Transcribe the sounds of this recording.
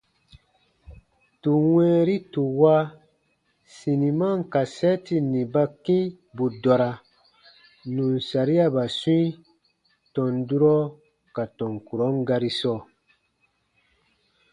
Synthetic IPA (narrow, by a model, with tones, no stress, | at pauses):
tu˨wɛ̃ː˦ɾi˦tu˨wa˦ | sĩ˨nĩ˨mã˦ŋ˨ka˨sɛ˦ti˨nĩ˨ba˦kĩ˦ | bu˨dɔ˨ɾa˨ | nũ˨n˨sa˨ɾi˦a˦ba˨sũ˦ĩ˦ | tɔ̃˨ndu˦ɾɔ˦ | ka˨tɔ̃˨ŋku˨ɾɔ˨˦ŋ˦ɡa˧ɾi˦sɔː˦˨